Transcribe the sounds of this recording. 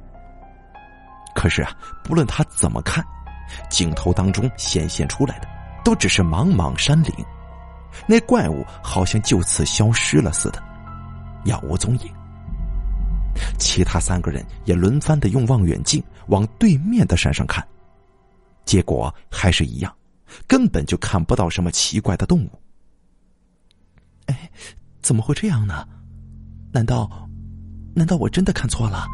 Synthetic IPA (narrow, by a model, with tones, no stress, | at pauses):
kʰɤ˨˩ʂɻ̩˥˩ɐ˩pu˧˥lwə˥˩nt̪ʰa˥t͡sə˨˩nmʔə̰˦kʰa˥˩nt͡ɕi˨˩ŋt̪ʰo˧˥ʊt̪ɑ˥ŋʈ͡ʂʊ˥ŋɕjɛ̰˨˩nɕjɛ̰˥˩nʈ͡ʂʰu˥la˧˥ɪd̪ə˧t̪o˥ʊʈ͡ʂɻ̩˨˩ʂɻ̩˥˩mɑ˧˥ŋmɑ̰˧˥ŋʂa˥nlḭ˧˥ŋ | ne˥˧ɪkwa˥˧ɪṵ˨˩ | xɑ˨˩ʊɕjɑ˥˧ŋt͡ɕjo˥˧ʊt͡sʰɹ̩˥˩ɕjɑ˥ʊʂɻ̩˥lə̰˨sɹ̩̰˥˩d̪ə̥˩˦ | jɑ̰˨˩wɔ̰˧˥t͡sʊ˧˥ŋḭ˨˥˦ŋ | t͡ɕʰi˧˥t̪ʰa˥sa˥nɡə˨ɻə̰˧˥njɛ˨˩lwə˧˥nfa˥nd̪ə˨jʊ˥˧ŋwɑ˥˩ŋɥɛ̰˨˩nt͡ɕi˥˩nwɑ˧˥ŋt̪we˥˧ɪmjɛ˥˩nd̪ə˩ʂa̰˥˧nʂɑ̰˥˧ŋkʰa̰˥˩n | t͡ɕjɛ˧˥kwɔ̰˨˩˦xa˧˥ɪʂɻ̩˥˩ḭ˧˥jɑ˥˩ŋ | kə˥npə˨˩nt͡ɕjo˥˧ʊkʰa˥˩npu˧t̪ɑ˥˩ʊʂə˧˥nmə˧t͡ɕʰi˧˥kwa˥˩ɪd̪ə˦t̪ʊ˥˧ŋu˥˩ | e˥˩ɪt͡sə˨˩nmə˦xwe˥˧ɪʈ͡ʂɤ˥˧jɑ˥˩ŋnə˩ | na˧˥nt̪ɑ˥˧ʊ | na˧˥nt̪ɑ˥˩ʊwɔ˨˩ʈ͡ʂə˥nd̪ə˨kʰa˥˩˧nt͡sʰwɔ˥˩lə˩